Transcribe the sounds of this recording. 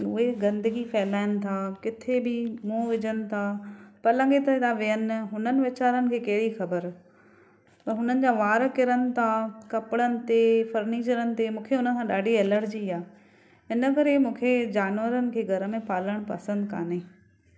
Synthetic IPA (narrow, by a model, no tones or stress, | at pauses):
ʊɦeɡɐ̃nd̪əɡifɛːlaːɪənɪ̆t̪ʰaːkɪt̪ʰebɪmũːʋɪd͡ʑənɪ̆t̪ʰapɐɾlɐ̃ŋɡet̪ɐt̪ʰaʋɪjən̆ɦʊnənɪ̆ʋet͡ɕaːɾənɪ̆kʰeːkɐɦɪɽixɐbəɾ | t̪ɐɦʊnənɪ̆d͡ʑaːʋaːɾkɪɾənɪ̆t̪ʰakɐpɪɽənɪ̆t̪efɐɾniːt͡ɕəɾənɪ̆t̪emũːkʰeʊnə̆kʰãɗaːɖiɛːləʈd͡ʑiaː | ɦɪnəkɐɾemũːkʰed͡ʑaːnʋəɾənɪ̆kʰeːɡʱɐɾə̆mẽpaːləɽ̃pɐ̰sə̃nd̪ka̰ːne